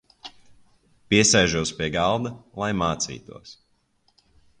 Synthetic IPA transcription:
piɛsɛjʒuɔspiɛɡalˠd̪alˠajmaːt̪sḭːt̪uɔs

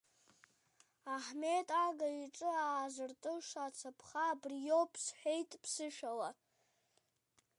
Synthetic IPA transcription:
aħme̞tʼaɡaiʈ͡ʂʼɨaːzɨrtʼɨʂat͡sʰapʰχaːbrjo̞pʰsħʷᶣejtʼpʰsɨʃᶣala

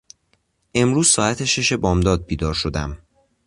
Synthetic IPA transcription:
ʔe̞mɾuːz̥sɒːæt̪ʰeʃe̞ʃe̞bɒːmd̪ɒːd̪̚biːd̪ɒːɾʃo̞d̪æm

